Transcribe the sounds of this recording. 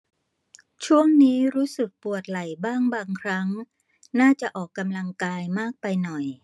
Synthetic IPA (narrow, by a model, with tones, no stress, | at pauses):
t͡ɕʰu˥˩əŋniː˦˥ɾuː˦˥sɯ˨˩k̚pu˨˩ət̪̚la˨˩jbaː˥˩ŋbaː˧ŋkʰɾa˦˥ŋ | naː˥˩t͡ɕa˨˩ʔɔː˨˩kːa˧mla˧ŋkaː˧jmaː˥˩k̚pa˧jnɔ˨˩j